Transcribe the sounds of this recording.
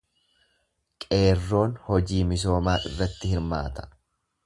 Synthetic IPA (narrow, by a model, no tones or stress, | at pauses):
kʼe̞ːrːo̞ːnhɔd͡ʒiːmɪs̬o̞ːmaːʔɪ̰rːɐt̪ːɪhɪɾma̰ːt̪ɐ̥